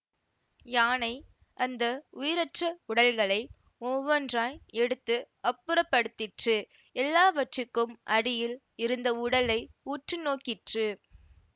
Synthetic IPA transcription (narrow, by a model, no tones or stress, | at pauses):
jaːnɐɪ | ʔɐnd̪ɐʊjɪɾɐʈrɐʊɽɐlɣɐɭɐɪ | ɔʋɐnraːjɛɽɯt̪ːɯ | ɐpːɯɾɐpːɐɽɯt̪ːɪʈrɯ | ɛlːaːʋɐʈrɯkːɯmʔɐɽɪjɪl | ɪɾɯnd̪ɐʊɽɐlɐɪuːʈrɯnoːkɪʈrɯ